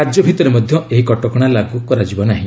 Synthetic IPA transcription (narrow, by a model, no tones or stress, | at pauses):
ad͡ʒjɔbʱit̪ɔɾemɔd̪ʱjɔeɦikɔʈɔkɔɽ̃alaɡukɔɾad͡ʒibɔnaɦĩ